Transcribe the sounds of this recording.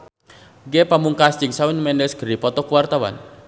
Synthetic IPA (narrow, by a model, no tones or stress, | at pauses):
ɡepamuŋkast͡ʃɪŋsawɪnmɛndɛsɡ̥əɾipɔt̪ɔkuwart̪awa̰n